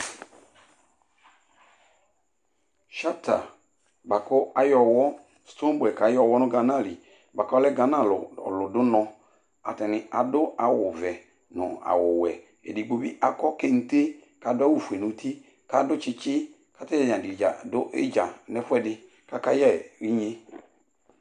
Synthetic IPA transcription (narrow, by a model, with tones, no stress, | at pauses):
ʃa˦ta̰˨ | ba˨kɔ˦a˨jɔ˨wɔ˦ | sto˦bɛ˨ka˨˦jɔ˦˨wɔ˦nʊ̃˦ɡa˨na˦˨li˨ | ba˨kɔ˦a˦lɛ˦ɡa˨na˦˨l̰lʊ˨dʊ˦nɔ̃˧ | a̰˨tɛ˨nɪ˨a˨dʊ˦a˨wʊ˨vɛ˨ | nʊ̰̃˨a̰˨wʊ˨wɛ˨ | ɛ̰˨di˨ɡ͡bo˨bḭ˦ʔa˨kɔ˦kɛ˦n̩˦te˦ | ka˨˦dʊ˦a˦wu˦˨fu˨ɛ˨nũ˨˦tʰi˦ | ka˨dʊ˦t͡ʃɪ˦t͡ʃɪ˦ | ka˦tɛ˦jɛ˦˨d͡ʒã˨dɪ˨d͡ʒa˨dʊ˦ʔɪ̰˦d͡ʒa˨nɛ˦fʊ˦ɛ˦˨dɪ˨ | ka˦ka˦jɛ˦˨ɾi˦ɲe˦